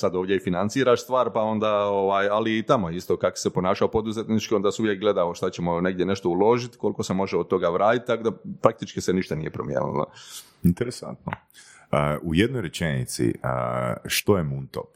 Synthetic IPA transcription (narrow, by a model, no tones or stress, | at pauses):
sad̪o̞ːʋdʲjeifinant̪siːɾaʃst̪ʋaːɾpao̞nd̪aoʋaːjaliːt̪amojist̪o̞kako̥sepo̞naːʃaopo̞d̪uzet̪nit͡ʃkio̞nd̪aseuʋjek̚ɡle̞d̪aʋoʃt̪at͡ɕe̞mo̞ne̞ɡd̪jene̞ʃt̪o̞ulˠo̞ʒit̪ko̞lˠiko̞se̞mo̞ʒeod̪̚t̪o̞ɡaʋɾaːt̪it̪ːt̪akod̪apɾak̚t̪it͡ʃkiseniʃt̪anije̞pɾo̰mjḛnṵlo̰ | int̪eɾesa̰nt̪no̰ | əujed̪̚nojɾet͡ʃenḭt̪sḭəʃt̪ojemunt̪op